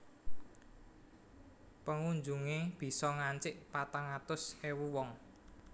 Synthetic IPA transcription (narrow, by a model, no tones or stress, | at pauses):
pəŋuɲd͡ʒuŋeb̥i̤sɔŋaɲt͡ʃɪʔpat̪aŋat̪ʊsewuwɔŋ